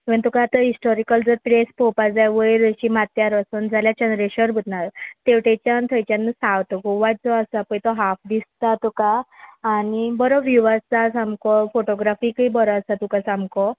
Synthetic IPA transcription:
ə̃nt̪ukaːt̪aɦisʈɔɾikəld͡zəɾpɾespopad͡zajʋəjɾəɕimat̪jaɾəsund͡zʱaljad͡ʑənɾeɕəɾbʱut̪naɾt̪eʋʈet͡ɕant̪ʰəjt͡ɕjanːəsawt̪ɔkuʋat͡sɔəsapəjt̪ɔɦafd̪ist̪at̪ukaː | nibəɾɔʋjuʋat͡sasãmkɔfoʈɔɡɾafikəjbɔɾɔasat̪ukasãmkɔ

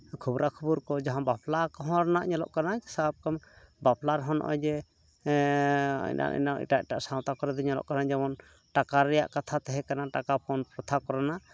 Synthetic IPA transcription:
kʰubɾakʰubuɾkɔd͡ʒaɦãbaplakɔɦɔ̃ɾnaʔɲɔlɔ̰ʔkanasabb̚kambaplaɾɦɔnʔɔ̰jd͡ʒɛ | ɲna̰ʔḭnaḭʈac̚ʈaʔsaw̃t̪akɔɾɛd̪ɛɲɔlɔ̰ʔkanad͡ʒɛmɔn | ʈakaɾɛja̰ʔkat̪ʰat̪ɛɦɛkanaʈakapʰɔnpɔt̪ʰakɔɾana

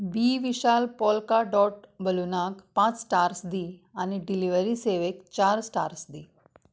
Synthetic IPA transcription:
biʋiɕalpɔlkaɖɔʈbəlunakpãt͡ssʈaɾsd̪ianiɖiliʋəɾiseʋekt͡ɕaɾsʈaɾsd̪iː

